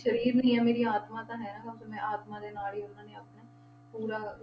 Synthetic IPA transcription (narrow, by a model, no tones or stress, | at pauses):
ʃəɾiːɾnĩːɛ̃ːmeːɾiːaːt̪mãːt̪ãːɦɛːnãːkəbsomɛ̃ːaːt̪mãːd̪eːnaːlɦiːʊnãːnẽːəpnaː | puːɾaː